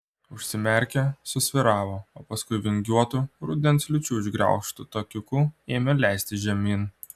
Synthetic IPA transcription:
ʊʃʲsʲɪmʲɛɾʲkʲɛsʊsʲʋʲɪɾɑːʋoːoːpɐskʊɪʋʲɪŋʲɡʲuɔt̪uɾud̪ʲɛnslʲʊt͡ʃʲuːɪʒɡɾʲɛ̰ˑʊkʃt̪ʊt̪okʲʊkueːmʲɛlʲæˑɪsʲt̪ʲɪʒʲɛmʲiːn

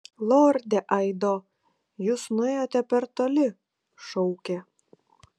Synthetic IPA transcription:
lˠoːɾʲd̪ʲɛʔɐɪd̪oː | jʊsnʊɛjoːt̪ʲɛpʲɛɾt̪oːlʲɪ | ʃɔʊkʲe

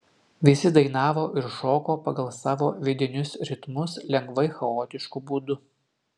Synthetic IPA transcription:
ʋʲɪsʲɪd̪ɐɪn̪ɑːʋoːʔɪɾʃoːkoːpɐɡɐlˠsɑːʋoːʋʲɪd̪ʲɪnʲʊsɾʲɪt̪mʊslʲɛŋɡʋɐɪxɐoːt̪ʲɪʃkubuːd̪ʊ

